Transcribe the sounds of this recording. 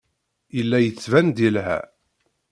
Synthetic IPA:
əlːæjət͡sːvænd̪ilɦæ̰

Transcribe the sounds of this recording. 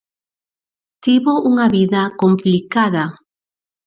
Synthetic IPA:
t̪iβoʔuŋaβiðakomplikaða

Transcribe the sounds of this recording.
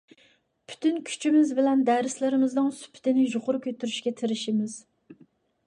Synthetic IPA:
pʰy̥t̪ʰynkʲʰy̥t͡ʃʰimɪzbɪlɛnd̪æɾɪslɪɾɪmɪznɨŋsy̥pʰɪ̥t̪ʰɪnɪʒoqʰʊɾʊkʲʰøt̪ːyɾyʃkʲɛt̪ʰɪɾɪʃimɪz̥

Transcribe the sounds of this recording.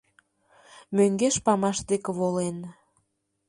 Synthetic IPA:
møŋɡeʃpɑmɑʃd̪ekĕβolen

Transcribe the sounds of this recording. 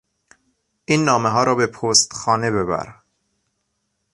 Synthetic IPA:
ʔiːnːɒːmeɦɒːɾɒːbepʰoːst̪xɒːne̞βe̞βæ̰ɾ

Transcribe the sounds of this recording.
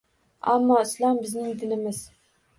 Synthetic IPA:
a̰mːɒɪslɒmbɪznɪŋd̪ɪnɪmɪz̥

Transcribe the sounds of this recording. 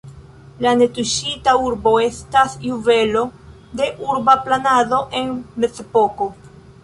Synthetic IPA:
lane̞tuʃitauɾbo̞e̞stasjuve̞lo̞ | de̞ʔuɾbaplanado̞ʔe̞nme̞zepo̞ko̞

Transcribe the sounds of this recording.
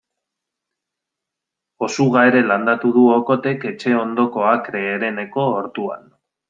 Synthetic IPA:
o̞suɣaeɾe̞land̪at̪uðuoko̞t̪e̞ke̞t͡ʃe̞o̞nd̪o̞ko̞akɾe̞ːɾe̞ne̞ko̞ːɾt̪ua̰n

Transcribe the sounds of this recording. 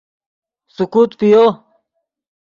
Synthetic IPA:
sukuːt̪pijo

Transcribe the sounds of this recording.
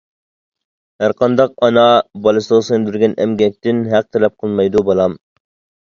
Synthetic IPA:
hæɾqʰɑnd̪ɑq̚ɑnɑbɑlˠɨsəʁsend̪yɾɡʲɛnɛ̰mɡʲɛk̚ʲt̪ɪnɦæq̚t̪ʰɛlɛp̚qʰəlˠmɑjd̪ubɑlˠɑm

